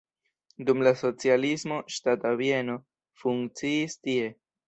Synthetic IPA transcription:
dumlaso̞t͡sialismo̞ʃtatavje̞no̞ | fuŋkt͡siːstie̞

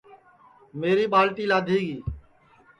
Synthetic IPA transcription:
meːɾiːɓaːlʈ̪iːlaːd̪ʱiːɡiː

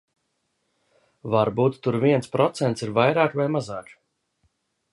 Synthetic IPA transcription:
vaɾbuːt̪ːuɾviɛntspɾɔt̪sɛnt̪siɾvajɾaːkvajmazaːk

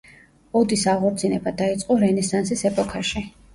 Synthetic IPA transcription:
ɔd̪isaʁɔɾt̪sʰinɛbad̪ait̪sʼqʼɔɾɛnɛsansisɛpʼɔkʰaʃi

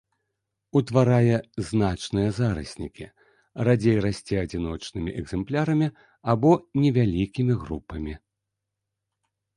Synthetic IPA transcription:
ut̪vaɾajɛznat͡ʂnɨjɐzaɾɐ̰sʲnʲikʲi | rad͡zʲejɾasʲt͡sʲɛad͡zʲin̪ɔt͡ʂnɨmʲḭʔɛɡzɛmplʲaɾɐmʲi | abɔnʲɛvʲalʲikʲimʲiɣrupɐmʲi

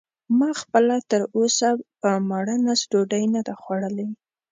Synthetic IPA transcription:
mɑxpəlat̪əɾosapəmaɽənasʈoɖajnad̪axwaɽəla

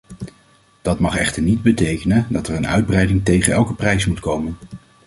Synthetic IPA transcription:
d̥ɑtmɑχɛ̰χtəɹnid̚bətejkənəndɑtəɹənœ̰ɥd̚brɛjdɪŋtejχənɛlˠkəprɛjsmutkowmən

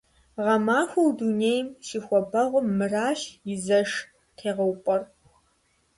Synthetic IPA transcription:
ʁɐmaːxʷɐwduneːjmʃiːxʷɔbɐʁʷʊmːɨraːɕjɪzɐʂ | qʰeːʁɐwpʼɐr

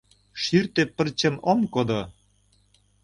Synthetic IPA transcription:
ʃyrt̪epə̆rt͡ɕə̆momkod̪o

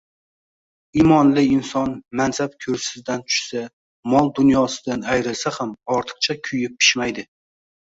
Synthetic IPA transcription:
imɒnlɪɪnsɒnmansap̚kʲʰɵɾsɪzd̪ant͡ʃ̪ʰʊ̥ʃsa | mɒlˠd̪ʊnjɒsɪd̪anajɾɪlsahamɒɾt̪ʰɨ̥q̚t͡ʃʰakʲʰʊjɪp̚ʰːɪ̥ʃmajd̪ɪ

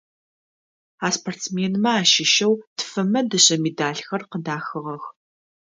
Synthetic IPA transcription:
aːspʰortsmeːnmɐaːʃɪʃɐwtfɐmɐdɨɕʼɐmeːdaːɬxɐrqədaːxɨʁɐx

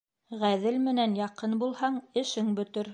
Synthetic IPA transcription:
ʁæðɘlmɘ̆nænjɑqɤnbulˠhɑɴɘ̆ʃɘŋbɵ̆t̪ɘɾ

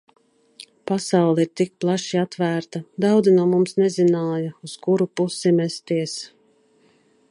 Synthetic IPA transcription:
pasawlˠɛiɾt̪ik̚plˠaʃiat̪væːɾt̪ad̪awd̪zinuɔmumsnɛzinaːjɐuskuɾupusimɛst̪iɛs

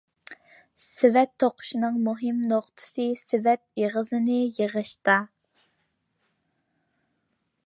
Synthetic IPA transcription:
sɪvɛt̪ʰːoqʰʊ̥ʃinɨŋmuɦɨmnoqt̪ʰɨ̥sɨsɪvɛt̪̚jeʁəzɨnɨjəʁəʃt̪ɑ

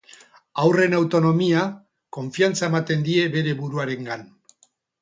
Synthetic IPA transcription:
awre̞nawt̪o̞no̞mia | ko̞ɱfiant͡sae̞mat̪e̞nd̪ie̞βe̞ɾe̞βuɾuaɾe̞ŋɡan

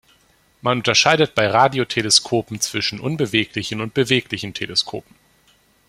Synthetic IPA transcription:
manʊntɐʃaɪdət̚b̥aɪʁaːdiotʰeləskʰoːpm̩t͡sv̥ɪʃn̩ʔʊnbəveːklɪçn̩ʊnt̚b̥əveːklɪçn̩tʰeləskʰo̰ːpm̩

